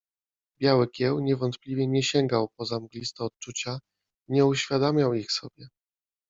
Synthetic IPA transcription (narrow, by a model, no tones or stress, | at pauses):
bʲjawɘkʲjɛwɲɛvɔnt̪plʲivʲjɛɲɛɕɛŋɡawpɔzamɡlʲist̪ɛɔt̪̚t͡ʂut͡ɕa | ɲɛuɕfʲjad̪amʲjawixsɔbʲjɛ